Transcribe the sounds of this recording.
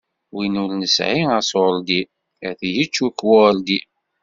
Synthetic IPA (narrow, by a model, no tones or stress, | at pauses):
winulnəsʕiəsold̪i | æθijit͡ʃːukːwʊld̪i